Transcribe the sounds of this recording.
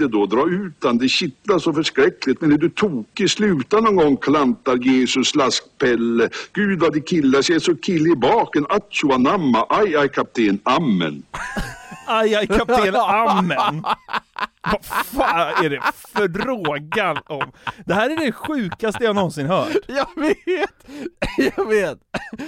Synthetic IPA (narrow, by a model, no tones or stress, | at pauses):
ɛd̪ɔd̪ɾɑːʉ̟ːt̪and̪ɛɕɪt̪laʂɔfœʂkɾɛklɪt̪mɛnɛd̪ɵt̪ʰuːkɪslʉ̟ːt̪anɔnɡɔŋːkʰlant̪aɾjeːsɵslask̚pʰɛlːəɡ̥ʉ̟ːd̪vad̪ɪkʰɪlːasɛsɔkʰɪlːɪbɑːkənat̪sʊanamːaʔajajkʰap̚t̪ʰeːnamːə̰n | ajajkʰap̪̚ʰːeːnamːən | vafaːæɖɛfœɖɾoːɡanɔmd̪̥ɛhæːɾæɖɛɧʉ̟ːkast̪əjahanɔnsɪnɦœːʈjɑveːt̪jɑɡveːt̪